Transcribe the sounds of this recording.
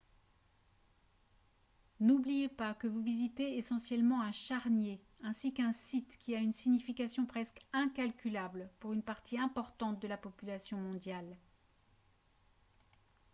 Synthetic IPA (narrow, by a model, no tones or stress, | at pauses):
nublijepakəvuvizit̪eesɑ̃sjɛlmɑ̃ɛ̃ʃaʁnje | ɛ̃sikɛ̃sit̪kʲiaynsiɲifikasjɔ̃pχɛskɛ̃kalkʲylablpuʁynpaʁt̪ʰiɛ̃pɔʁt̪ɑ̃t̪̚d̪əlapɔpylasjɔ̃mɔ̃d̪jal